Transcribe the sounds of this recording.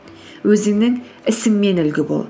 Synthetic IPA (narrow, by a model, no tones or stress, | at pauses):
wɵzɪŋnɪŋ | ɪsɪŋme̞nɪlɡʲɪbo̰lˠ